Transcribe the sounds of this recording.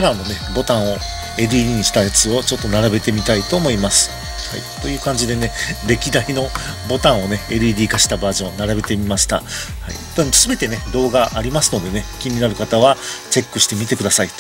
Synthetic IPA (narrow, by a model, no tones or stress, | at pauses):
aɾãnːo̞ne̞bo̞t̪ãɰ̃o̞ | e̞ɾɯ̟iɾʲiːɲ̟iɕi̥t̪ajat͡sɨo̞t͡ɕo̞t̪ːo̞naɾabe̞t̪e̞mʲit̪ait̪o̞ːmo̞imasɨ̥ | ha̰ḭt̪o̞jɯ̟ːkãɲ̟d͡ʑid̪e̞ne̞ɾe̞kʲid̪aino̞ | bo̞t̪ãɰ̃o̞ne̞eɾɯ̟iɾʲiːkaɕi̥t̪abaːʑõ̞naɾabe̞t̪e̞mʲimaɕi̥t̪a̰ha̰ḭ | osɨbe̞t̪e̞ne̞d̪o̞ːɡaʔːɾʲimasɨno̞d̪e̞ne̞kʲimʲinaɾɯ̟kat̪aβ̞at͡ɕe̞kːɯ̟ɕi̥t̪e̞mʲit̪e̞kɯ̟d̪asai